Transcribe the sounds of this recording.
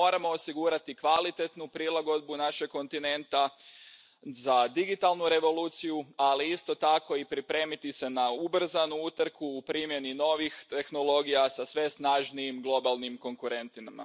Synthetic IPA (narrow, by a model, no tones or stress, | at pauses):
o̞ːɾamo̞ːsiɡuɾat̪ikʋalit̪e̞t̪nupɾilˠaɡo̞d̪̚bunaʃekkːo̞nt̪ine̞nt̪a | zad̪iɡit̪alˠnuɾe̞ʋo̞luːt̪sijualiist̪o̞t̪ako̞ipɾipɾe̞mit̪ise̞naubr̩zanuut̪ɾ̩kuːpɾimje̞nino̞ʋixt̪e̞xno̞lˠo̞ɡijasasʋe̞snaʒniimɡlˠo̞balˠnimko̞ŋkuɾe̞nt̪inama̰